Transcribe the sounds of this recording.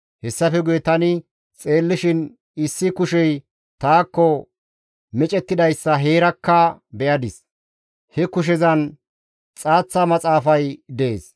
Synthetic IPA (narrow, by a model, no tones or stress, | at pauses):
hɛsːɐfɛɡʊjɛt̪ɐnɪ | t͡sʼe̞ːlːɪʃɪn | ɪsːɪkʊʃɛj | t̪aːkːɔ | mɛt͡ʃʼɛt̪ːɪd̪ɐjsːɐɦe̞ːɾɐkːɐbɛjɐd̪ɪs | hɛkʊʃ̬ɛzɐn | t͡sʼaːt͡sːɐmɐt͡sʼaːfɐjd̪ɛḛːs